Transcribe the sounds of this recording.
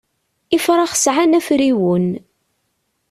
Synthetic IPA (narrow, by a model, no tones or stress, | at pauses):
ifɾˤɑχsʕanæfɾiwən